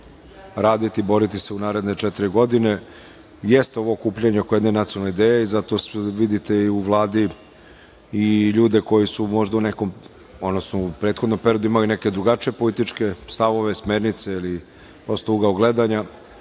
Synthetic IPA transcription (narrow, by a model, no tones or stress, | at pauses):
ɾaːd̪it̪ibo̞ɾit̪ise̞unaːɾe̞d̪ne̞t͡ʃɛt̪iɾiɡo̞d̪ine̞ | jest̪eo̞ʋo̞ːkuːpʎeɲeokojed̪nenat̪sionalneid̪eːjeizat̪o̞sʋid̪it̪e̞iuʋlˠaːd̪i | iʎuːd̪e̞ko̞jisumo̞ʒd̪aunekom | od̪nosnoupɾet̪xo̞d̪nompe̞ɾiod̪uimalineke̞d̪ɾuɡat͡ʃijepo̞lit̪it͡ʂke̞st̪aʋo̞ʋe̞smeːɾnit̪seili | pɾo̞st̪ouɡaoɡle̞d̪aɲa